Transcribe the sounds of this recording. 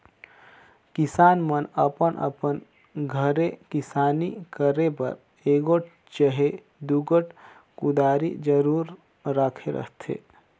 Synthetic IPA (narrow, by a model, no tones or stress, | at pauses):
kɪsaːnmənəpənʔə̰pən | ɡʱəɾekɪsaːnikəɾepə̰ɾ | eːɡoʈ̚ | t͡ʃəɦe | d̪uɡəʈ | kʊd̪aːɾḭd͡ʒəɾuːɾ | ɾaːkʰeɾə̰ɦt̪ʰḛː